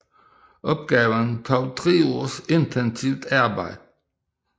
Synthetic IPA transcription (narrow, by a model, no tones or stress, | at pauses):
ʔɔ̽b̥̚ɡ̥ɛːʋəntʰɑʊtʰʁeːose̝ntʰɛnsiʊd̥ɑɐbɑ̈ɪ̰̥